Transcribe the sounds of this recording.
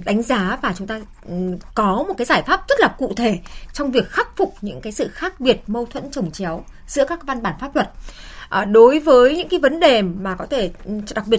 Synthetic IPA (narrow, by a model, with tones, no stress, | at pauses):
ɗa˨˦jŋ̟zaː˨˦vaː˨˩t͡ɕʊ˨˦ŋ͡mt̪aː˧ | kɔ˨˦mo˨˩t̚aː˨˦zaː˧˩jfaː˦˥p̚z̥ə˦˥t̚laː˨˩kṵ˧˨t̪ʰe˧˩t͡ɕɔ˧wŋ͡mvi˨˩ək̚xa˦˥k̚fʊ˨˩k͡p̚ɲɨ̰˧˥ŋkaː˨˦jsɨ̰˧˨xaː˦˥k̚ɓi˨˩ət̚mə˧wt̪ʰwə̰˧˥nt͡ɕə˨˩wŋ͡mt͡ɕɛ˨˦w | zɨ̰˧˥əkaː˦˥k̚va˧nɓaː˧˩nfaː˦˥p̚t̪wə˨˩t̚ʔɗo˨˦jvəː˨˦jɲɨ̰˧˥ŋkaː˨˦jvə˨˦nɗe˨˩maː˨˩kɔ˨˦t̪ʰe˧˩ɗa˨˩k̚ɓi˨˩ə